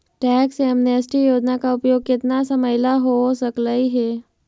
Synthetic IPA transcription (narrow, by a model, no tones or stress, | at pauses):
ʈɛːksɛmnəsʈijoːd͡ʒnakaʊpjoːɡ̚kɪt̪nasɐməjlaɦosɐkləiɦɛː